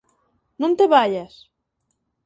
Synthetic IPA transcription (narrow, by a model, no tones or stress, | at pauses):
nũnt̪eβaʎas